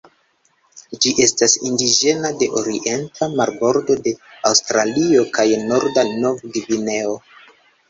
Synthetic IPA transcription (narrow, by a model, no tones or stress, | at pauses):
d͡ʒiʔe̞stasindid͡ʒe̞nade̞ʔoɾiʔe̞ntʰamaɾbo̞ɾdo̞de̞awstɾalio̞kajno̞ɾdano̞vɡivine̞o̞